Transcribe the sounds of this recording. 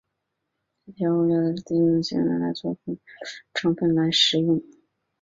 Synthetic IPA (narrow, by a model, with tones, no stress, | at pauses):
i˥˩tʰjɑ˥u˥˧ljɑ˥˩d̪ə˨˧˥t̪i˥˧jʊ˥˩ŋɕḭ˧˥ŋlə̰˧˥˩nla˧˥t͡swɔ˥˧˩pʰi˧˥˩ŋʈ͡ʂʰɑ˧˥ŋpə˥˩nla˧˥ɪʂɻ̩˧˥jʊ˥˩ŋ